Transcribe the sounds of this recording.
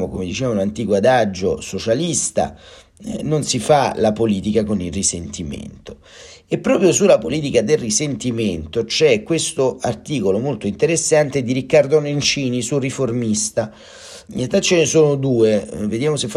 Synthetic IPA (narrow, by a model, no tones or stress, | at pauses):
mokomed̪it͡ʃɛːvaulant̪ikoad̪ad͡ʒːo̰sot͡ʃalist̪a̰ | nonsifalapoliːt̪ikakonilrisent̪imḛnt̪o̥ | epːɾɔːpɾjosulːapoliːt̪̬ikad̪elrisent̪iment̪ot͡ʃɛkːwest̪oart̪iːkolomolt̪oint̪eɾesːant̪ed̪iɾikːard̪onent͡ʃiːnisuriformist̪a | inat̪at͡ʃːenesoːnod̪uːeved̪jaːmosef